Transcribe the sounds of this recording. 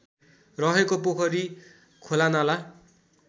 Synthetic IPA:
rʌɦekopokʰʌɾi | kʰolanala

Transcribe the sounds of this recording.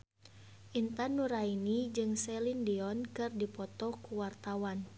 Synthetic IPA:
ʔint̪anːuɾainid͡ʒɨŋsɛlindiɔnkɨrdipɔt̪ɔkuwart̪awan

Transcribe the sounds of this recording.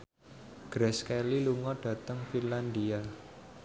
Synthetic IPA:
ɡ̥ɾɛskɛliluŋɔɖ̥ä̤t̪əŋfinland̪ia

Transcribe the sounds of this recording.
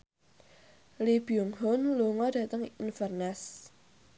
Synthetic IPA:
libiuŋɦʊnluŋɔd̥ä̤t̪əŋinfərnɛs

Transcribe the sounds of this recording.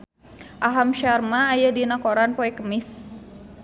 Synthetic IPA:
ʔaɦamʃarmaːjadinakoɾanpoɛkəmɪs

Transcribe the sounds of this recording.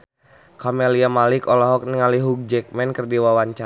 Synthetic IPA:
kɔmeliamalikɔlɔɦɔk̚niŋaliɦuk̚d͡ʒɛk̚mɛnkərdiwawaɲt͡ʃa

